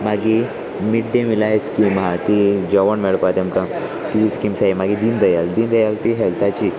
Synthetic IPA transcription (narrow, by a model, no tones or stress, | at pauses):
maɡi | miʈd̪emilaɦeskimɦat̪id͡ʑəʋəɳmeɭpat̪emka | t̪iskimsaɦimaɡid̪ind̪əjald̪iːnd̪əjalt̪iɦɛlt̪ʰat͡ɕiː